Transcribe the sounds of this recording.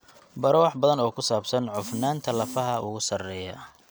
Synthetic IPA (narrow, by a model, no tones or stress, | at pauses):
bɐɾɔːħbɐðɐnɔːkʰʊsaːbsɐnʕʊfnaːnt̪ʰɐlɐfɐɦɐʔʊɣʊsɐrɛːjɐ